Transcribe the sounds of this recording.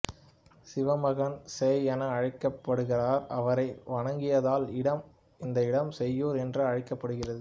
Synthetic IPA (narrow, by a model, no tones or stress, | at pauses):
sɪʋɐmɐɣɐnsɛjɐnɐɐɻɐɪkːɐpːɐɽɯɣɪraːɾɐ̰ʋɐɾɐɪʋɐɳɐŋɡɪjɐðaːlɪɽɐm | ɪnd̪ɐɪɽɐmsɛjːoːɾɛndrɯɐɻɪkːɐpːɐɽɯɣɪrɐðɯ